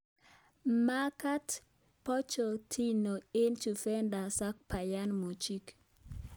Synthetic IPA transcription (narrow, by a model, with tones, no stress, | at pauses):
ma˦ka˦t | pɔ˦t͡ʃɔ˨tʰi˦no˨e˦nt͡ʃu˨fɛ˦nda˨sa˦k̚pa˨ja˦nmo˨t͡ʃi˦k